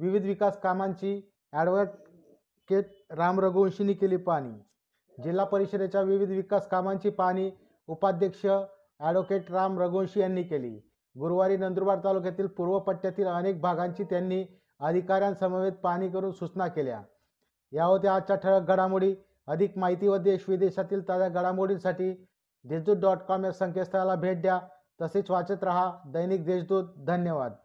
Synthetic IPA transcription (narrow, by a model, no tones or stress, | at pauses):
ʋiʋid̪ʱʋikaskamaɲt͡ɕiː | æɽʋʈ | keʈ̚ | ɾamɾəɡõnɕiniːkeliːpaɽ̃ḭː | d͡ʑilːapəɾiɕəd̪et͡ɕjaʋiʋid̪ʱʋikaskamaɲt͡ɕiːpaɽ̃iː | upad̪ʱjəkʂə | æɽʋokeʈɾamɾəɡõnɕijanːiːkelḭː | ɡuɾʋaɾiːnənd̪ɾubaɾt̪alukjat̪iːlpuɾʋəpəʈːjat̪iːlənek̚bʱaɡãɲt͡ɕiːt̪janːiː | əd̪ʱikaɾjãnsəməʋed̪̚paɽ̃iːkəɾuːnsut͡snakelja̰ | jaʋəɾt̪eat͡ɕaʈʰəɭək̚ɡʱəɽamuɽiː | əd̪ʱikmaɦit̪iməd̪ʱjeɕʋid̪eɕat̪iːlt̪ad̪jaɡəɽamoɽiːnsaʈiː | d̪esd̪uːt̪̚ɖɔʈkɔmeɾsəŋkest̪ɾalabʱeʈ̚d̪ja | t̪əset͡sʋat͡ɕət̪ɾəɦad̪əjnik̚d̪esd̪uːt̪̚d̪ʱənjəʋa̰d̪̚